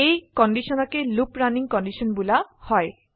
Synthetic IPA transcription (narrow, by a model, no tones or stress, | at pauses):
ejkɔnɖisɔnɔkelupɾaniŋkɔnɖisɔnbulahɔj